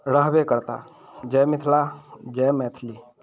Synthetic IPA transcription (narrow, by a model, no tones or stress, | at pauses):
ɾəɦbekəɾt̪a̰ | d͡ʒɛmɪt̪ʰlad͡ʒɛːmɛːt̪ʰli